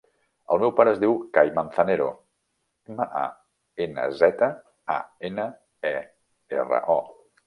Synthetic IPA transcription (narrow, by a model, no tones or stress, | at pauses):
ə̰lˠmɛwpaɾəːzðiwkajmənθəneɾo | məʔa̰ | enə̰zɛt̪ə | a̰enə | ɛ | ḛrə̰ʔɔ